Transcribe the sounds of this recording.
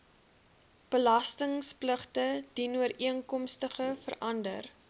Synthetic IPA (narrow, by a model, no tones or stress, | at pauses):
b̥əlɐstəŋspləχtəd̥inuəɾʔiəŋkɔmstəχəfə̰rʔɐndə̰r